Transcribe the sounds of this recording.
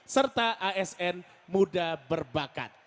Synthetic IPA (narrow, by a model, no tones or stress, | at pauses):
sərt̪aʔaɛsɛn | mudabərbaka̰t̪̚